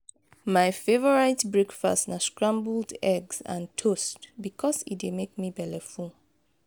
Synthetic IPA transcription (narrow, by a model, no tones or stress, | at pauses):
maɪfevɔɹaɪtbɹekfa̰stnaskɹãmbldɛɡsã̰ntʰostbikʰɔsit̚demek̚mibɛlɛfu